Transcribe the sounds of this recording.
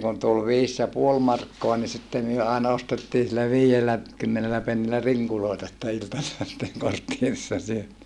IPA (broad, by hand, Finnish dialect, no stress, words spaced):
kun tul ʋiːs jɑ puol mɑrkːoɑ ni sitːe myø ɑˑenɑ ostetːiːn silːæ ʋiːelːæ kymːenelæ penːilæ riŋkuloˑetɑ sitːe iltɑselːɑ sitːeŋ kortːierisːɑ syøtiː